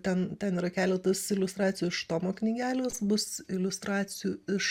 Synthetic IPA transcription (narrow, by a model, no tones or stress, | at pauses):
t̪ʲɛnt̪ʲɛniːɾɐkʲæːlʲɛt̪ɐsɪlʲʊst̪ɾɑːt͡sʲɪjʊːɪʃt̪oːmoːknʲiɡʲæːlʲoːsbʊsɪlʲʊst̪ɾɑːt͡s̪ʲɪjuːɪʃ